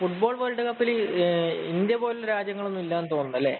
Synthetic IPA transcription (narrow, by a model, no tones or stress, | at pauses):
fuʈbo̞ːɭʋɐːɭɖɨkɐpːil | ind̪jɐbo̞ːleɾaːd͡ʑjɐŋːɐɭo̞nːumilːaːnt̪o̞ːnːuðɐlːe̞̰ː